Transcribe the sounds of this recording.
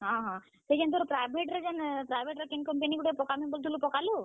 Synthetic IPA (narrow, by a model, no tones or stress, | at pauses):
ɦãɦã | t̪ekent̪oɾpɾajbʱeʈɾed͡ʒanpɾajbʱeʈɾekenkəmpenikuʈepɔkaminbəlt̪ʰulupɔkalu